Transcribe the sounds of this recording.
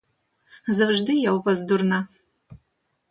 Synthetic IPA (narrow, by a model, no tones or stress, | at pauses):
zɨvʒdɨjɛwvɐzdurnɐ